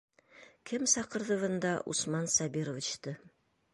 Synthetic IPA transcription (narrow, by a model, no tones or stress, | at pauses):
kʰɘmsɑqɤ̆ɾðɤ̆ʁɤ̆nd̪ɑʔṵsmɑnsɑbiɾovʲit͡ɕt̪ɤ